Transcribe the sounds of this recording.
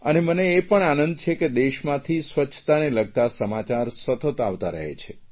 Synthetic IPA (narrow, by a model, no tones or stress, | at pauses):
əneməneːpəɳanənd̪̚t͡ʃʰeked̪eʃmãt̪ʰisʋət͡ʃʰt̪aneləɡ̚t̪asəmat͡ʃaɾsət̪ət̪aʋt̪aɾə̰ɦḛt͡ʃʰe